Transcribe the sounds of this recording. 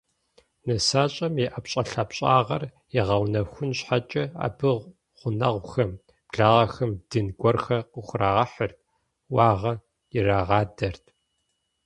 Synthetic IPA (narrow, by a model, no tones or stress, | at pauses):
nɐsaːɕʼɐmjɛʔɐpɕʼɐɬɐpɕʼaːʁɐr | jɪʁɐwnɐxʷʊnɕħat͡ʃʼɐa̰ːbɨʁ | ʁ̥ʷʊnɐʁʷxɐm | b̥ɮaːʁɐxɐmd̥ɨnɡʷɔrxɐqəxʷʊraːʁɐħərt̚ʰ | wɑːʁɐ | jɪraːʁɑːdɐrtʰ